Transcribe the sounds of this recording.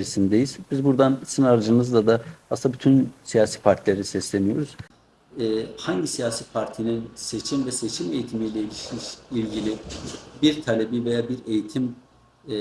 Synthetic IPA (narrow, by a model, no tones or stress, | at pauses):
ɾisind̪ejiz̥bizbuɾd̪ansinaɾd͡ʒɯnɯzd̪ad̪aasɯnd̪abyt̪ʰynsijaːsi̥ːpʰaɾt̪ʰilʲeɾisɛslʲenijo̞ɾuz̥ | ɛːhaɲɟisijaːsiːpʰaɾt̪ʰininse̞t͡ʃʰimvɛse̞t͡ʃʰime̞jit̪ʰimilʲɛilʲiʃmiʃilʲɟilʲɪbiɾt̪ʰalʲebive̞jaːbiɾe̞jit̪ʰim